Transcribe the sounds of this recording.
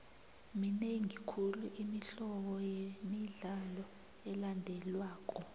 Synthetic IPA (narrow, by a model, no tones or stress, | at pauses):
mineŋikʰuluʔimiɬɔɓɔjemiɮalɔ | ɛlandʱɛlwaːk̬ʼɔ